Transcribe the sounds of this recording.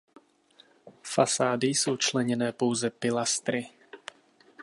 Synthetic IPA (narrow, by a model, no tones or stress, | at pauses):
fasaːdɪsowt͡ʃlɛɲɛnɛːpo̞wzɛpɪlast̪ɾɪ